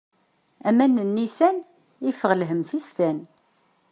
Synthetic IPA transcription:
æmænːənːisæn | ifəʁlɦəmθist̪æn

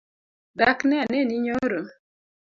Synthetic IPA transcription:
daknɛanɛniɲoɾo

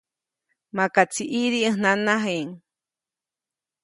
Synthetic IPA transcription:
makat͡siʔiɾiɨhnanaɦeŋ

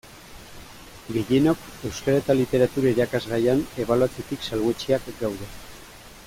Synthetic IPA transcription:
ɡe̞je̞no̞ke̞wskaɾaet̪alit̪e̞ɾat̪uɾaiɾakazɣajane̞βaluat͡set̪iksalɣet͡ʃiakɡawðe̞

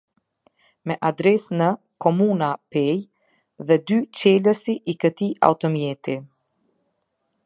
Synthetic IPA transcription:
mɛʔad̪ɾɛsnə | kɔmunapɛj | ðɛd̪yt͡ɕɛləsiʔikət̪ia̰wt̪ɔmjɛt̪i

